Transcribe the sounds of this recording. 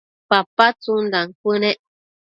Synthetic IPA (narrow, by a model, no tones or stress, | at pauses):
papat͡sundaŋ̩kənɛʔ